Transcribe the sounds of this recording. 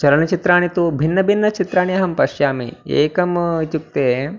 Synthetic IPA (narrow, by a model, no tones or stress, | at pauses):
t͡ʃɐɾɐnɐt͡ʃit̪ɾaːnit̪ubʱinːɐbʱinːɐt͡ʃit̪ɾaːɳ̃ijɐɦɐmpɐʃjaːmḭḛːkɐmt̪uk̚t̪eː